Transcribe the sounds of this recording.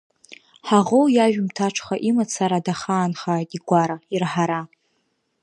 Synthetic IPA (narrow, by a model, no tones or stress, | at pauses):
ħaʁowjaʒᶣmtʰaʈ͡ʂʰχaʔimat͡sʰaɾadaχaːnχaːjtʼiɡʷaɾairħaɾa